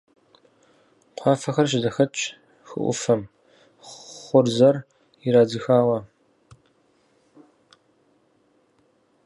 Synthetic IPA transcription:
qʷʰɑːfɐxɐrʃ̬ɪzɐxɐt͡ʃʼ | xɨ̰ʔʷʊ̰fɐm | χʷʊrzɐr | iɾaːzɨxaːwɐ

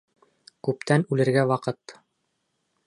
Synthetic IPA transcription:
kʉp̚t̪ʰænʉlɘ̆ɾɡæwɑqɤt̪

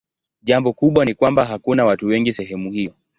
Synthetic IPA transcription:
ʄambɔkuɓwanikwambaɦakunawatuwɛŋɡisɛɦɛmuhiɔ

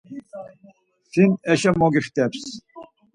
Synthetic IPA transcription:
finɛʃɛmɔɡiχt̪ɛps

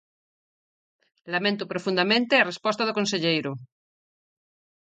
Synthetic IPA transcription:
lamẽnt̪opɾofund̪amẽnt̪earespost̪aðokonseʎejɾo

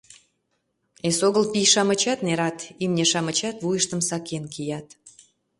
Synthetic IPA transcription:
esoɣəlpijʃɑmə̆t͡ɕɑt̪neɾɑt̪imnʲeʃɑmə̆t͡ɕɑt̪βujəʃt̪əmsɑkenkʰijɑt̪

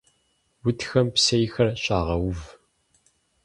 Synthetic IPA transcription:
wʊtxɐmpsɐjxɐrɕʼaːʁɐwʊv

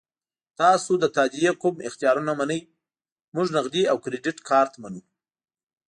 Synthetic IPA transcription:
t̪ɑsod̪ət̪ɑd̪ijekʊmɪ̰xt̪ijɑɾunamanəj | mʊʐnaqd̪iawkɾeɖɪʈkʰɑɾt̪amanu

